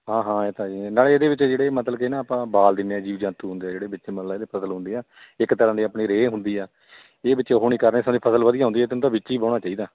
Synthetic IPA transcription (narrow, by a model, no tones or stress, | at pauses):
ɦãːɦãːeːt̪aːinaːleed̪eːbɪt͡ʃːd͡ʒeːɽeːmət̪ləbkenãːaːpãːbaːld̪ɪnːeːaːd͡ʒiːʋd͡ʒãːt̪uːɦʊ̃nd̪eːd͡ʒeːɽeːbɪt͡ʃːeːməllːaːed̪eːpʰəsəlɦʊ̃nd̪eːaː | ɪkt̪əɾãːd̪iːəpɳiːɾeːɦʊnd̪iːɛː | eːbɪt͡ʃːeːɦoːɳ̃iːkəɾneːsãːd̪iːpʰəsəlʋəd̪ijaːɦʊ̃nd̪iːɛːt̪eñːt̪ãːbɪt͡ʃːʃiiːbãːɽ̃aːt͡ʃaːiːd̪aː